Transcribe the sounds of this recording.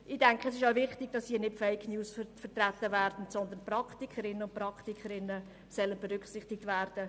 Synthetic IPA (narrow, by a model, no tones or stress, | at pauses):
ʔɪd̥æŋkʰəɛsɪʃaʊvɪχtɪɡ̥̚d̥ɑshiːnɪtfɛɪkʰnjuːsfət̪ræt̪ːəvæːɾdn̩tsɔnd̪ənprɑktikʰəɾɪnːənʊnt̚pɾɑktikʰəɾɪnːə | sœlənb̥ɛɾʏkχsɪχtɪk̚tvæːɾd̥ə